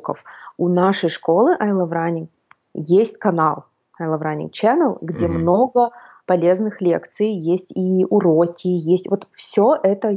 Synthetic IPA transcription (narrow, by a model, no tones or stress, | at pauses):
kə̰fʊnaʂəjʂko̞lˠɨʔɐjlˠɐvɾanʲɪk | jesʲtʲkɐnalˠ | ɐjlˠɐvɾanʲɪ̰kt͡ɕɛnəlˠɡdʲe̞mno̞ɡə | pɐlʲe̞znɨxlʲḛkt̪sɨjjesʲtʲiʊɾokʲɪjesʲtʲvot̪fsʲoʔɛt̪ə